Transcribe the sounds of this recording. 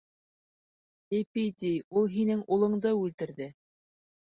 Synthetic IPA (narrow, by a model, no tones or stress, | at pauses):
epit̪ʲijulˠɦinɘŋulˠɤ̆ɴd̪ɤʉlt̪ɘ̆ɾðɘ